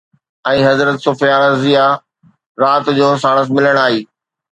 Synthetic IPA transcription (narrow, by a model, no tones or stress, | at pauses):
ɛ̃ːɦɐzɾət̪sʊfjaːɾzija | ɾaːt̪d͡ʑoːs̬aːɽ̃əs̬mɪləɽ̃aːɦiː